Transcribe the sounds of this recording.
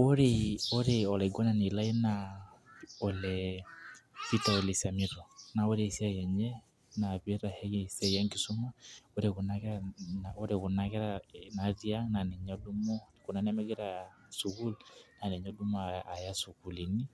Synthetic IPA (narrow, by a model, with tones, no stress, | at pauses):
oɾeo˦ɾeɔ˨lɛ˨ɡɔ˦na˨ni˨la˦i˦na | ɔ˨lɛ | si˦taole˨sa˨miɾɔ˨na˨o˦ɾesi˦a˦jɛ˨ɲɛ | na˨βe˦ɾahɛɣesɛ˦jɛ˦ŋɡi˦su˦ma˦o˦ɾeɣu˨naɣɛɾanao˦ɾeɣo˨naɣɛ˦ɾana˨ði˦a˦na˨nɛ˨ɲɔ˦du˦mɔ˦ko˨na˨˦nɛ˦mɛ˦ɣɛ˦ɾa | suɣu˦lna˨nɛ˨ɲɔ˦dumaa˨ja˦suku˨li˨ni˦